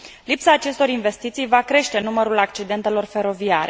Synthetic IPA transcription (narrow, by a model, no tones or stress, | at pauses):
lipsaːt͡ʃe̞st̪o̞ɾinve̞st̪it̪sijvakɾe̞ʃt̪e̞numəɾulakt͡ʃid̪e̞nt̪e̞lo̞rfe̞ɾo̞viaɾe